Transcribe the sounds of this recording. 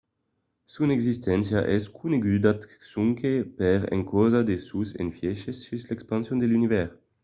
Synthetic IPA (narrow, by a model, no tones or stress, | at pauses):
sunɛɡzist̪ɛnsjaʔɛskʰuneɡyd̪at̪suŋkepɛʁɛ̰̃ŋkozad̪esusḛnfjɛʃesyslɛkspãnsjõnd̪elynivɛʁ